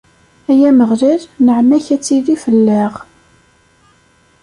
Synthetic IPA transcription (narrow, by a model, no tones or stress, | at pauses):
æjæməʁðæɾnəʕmæçæt͡sːiðifəlːəʁ